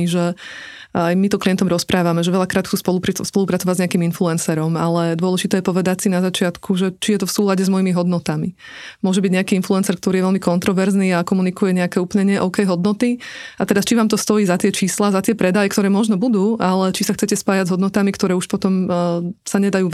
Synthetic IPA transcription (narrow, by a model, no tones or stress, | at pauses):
iʒɛ | ajmit̪ɔkliɪɛnt̪ɔmɾɔspɾʔaːʋamɛʒɛʋɛʎakɾaːt̪xtt͡suːspɔluspɔluːpɾat͡sɔʋaɟzɲɛakiːminfluɛnsɛɾɔmalɛd̪ʊɔlɛʒit̪ɛːjɛpɔʋɛd̪acsinazat͡ʃɪat̪kʰuʒɛt͡ʃijɛt̪ɔfsuːlaɟɛzmɔjimiɦɔd̪nɔt̪ami | mʊɔʒɛbiɟɲɛakiːinfluɛnsɛɾk̚t̪ɔɾiːjɛʋɛlmikɔnt̪ɾɔʋɛɾzniːakɔmunikujɛɲɛakɛːuːplɲɛɲɛʔɔʊkɛjɦɔd̪nɔt̪iat̪ɛɾast͡ʃiʋaːmt̪ɔst̪ɔjiːzat̪ɪɛt͡ʃiːslazat̪ɪɛpɾɛd̪ajɛkt̪ɔɾɛːmɔʒnɔbud̪uːʔalɛt͡ʃisaxt͡sɛcɛspaːjaɟzɦɔd̪nɔt̪amikt̪ɔɾɛːuʃpɔt̪ɔmsaɲɛd̪ajuː